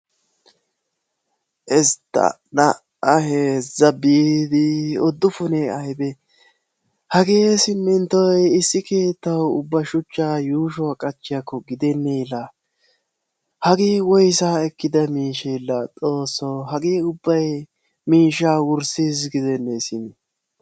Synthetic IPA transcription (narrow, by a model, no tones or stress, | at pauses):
ʔɛst̪ːɐ̰ | nɐ | ɐɦeːzɐbid̪ɪɔd̪ːʊfʊnɛɐjbɛ | hɐɡeːsɪmːɪnt̪ɔjɪsːɪke̞ːt̪ːɐwʊbːɐʃʊt͡ʃːaːjuːʃ̬ɔwakʼɐt͡ʃːɪjɐkːɔɡɪd̪ɛnːɛjlːɐ | hɐɡeːwɔjsaːɛkːɪd̪ɐmiːʃɛjlːɐt͡sʼo̞ːsːɔɦɐɡeːʊbːɐj | miːʃaːwʊɾsiːzɡɪd̪ɛnːɛsɪmɪ